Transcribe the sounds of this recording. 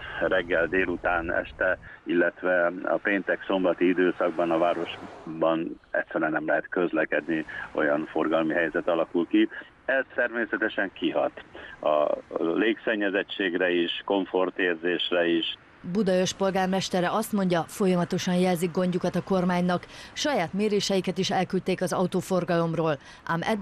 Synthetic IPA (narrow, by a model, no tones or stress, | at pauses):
rɛɡːɛld̪eːlut̪aːnɛ̰ʃt̪ɛilːɛt̪ʋɛɒ̰peːnt̪ɛkso̞mbɒt̪iid̪øːsɒɡ̚bɒnɒvaːɾo̞ʒbɒnɛ̰t̪ʲsːɛɾɛɛnɛmlɛɦɛt̪kø̞zlɛkɛd̪nio̞̰jɒnfo̞rɡɒlmiɦɛjzɛt̪ɒlɒkulki | ɛzt̪ɛrmeːsɛt̪ɛʃɛŋkiɦɒ̰t̪ɒ̰leːksɛɲːɛzɛt͡ʃːeːɡrɛiʃko̞ɱfo̞rt̪eːrzeːʃrɛiʃ | bud̪ɒøʃpo̞lɡaːrmɛʃt̪ɛɾɛɒst̪mo̞ɲɟɒfo̞jɒmɒt̪o̞ʃɒnjɛlziɡɡo̞ɲɟukɒt̪ɒko̞rmaːɲnɒkʃɒjaːt̪meːɾeːʃɛjikɛt̪iʃɛlkylt̪eːkɒzɒut̪oːfo̞rɡɒlo̞mroːl | ʔa̰mɛd̪